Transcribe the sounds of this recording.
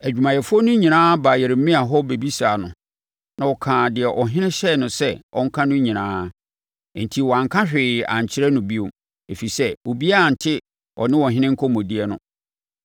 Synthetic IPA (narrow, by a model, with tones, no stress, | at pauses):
æ˨d͡ʑᶣu˨mã˨jɛ˨fʊ˦ɔ˦nʊ̃˦ɲĩ˨nãː˦ba˨jɛ˨ɾm̩˦mɪ̃˦a˨ɦɔ˦be˨bi˦saː˨nʊ̃˨ | nã˨wɔ˨kʰãː˨dɪ˨ɛ˨ʔɔ˨ɦɪ̃˦nɪ̃˦ɕɛ˦˨nʊ̃˨sɛ˦ʔɔ̰˦ŋ̩˦kʰã˦nʊ̃˦ɲĩ˨nãː˦˨ | n̩˨tʰi˨wɔ˨ã˨ŋkʰã˦ɕᶣɪ˨ã̰˨ɲ˨t͡ɕʰɪ˦ɾɛ˦nʊ̃˨bi˦o˨m | e˨fi˨sɛ˦wo˨bi˦a˦a˨n̩˨tʰɪ˦ | ɔ̰˨nɪ̃˦wɔ˨ɦɪ̃˦nɪ̃˦ŋ̩˦kʰɔ˦mɔ̃˨di˦ɛ˦nʊ̃˦